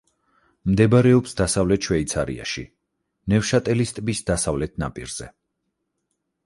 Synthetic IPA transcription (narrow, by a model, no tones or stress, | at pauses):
md̪ɛbaɾɛɔpsd̪asavlɛt̪ʃwɛit̪sʰaɾḭa̰ʃḭ | nɛvʃat̪ʼɛlist̪ʼbisd̪asavlɛt̪̚ʰna̰pʼḭɾz̥ɛ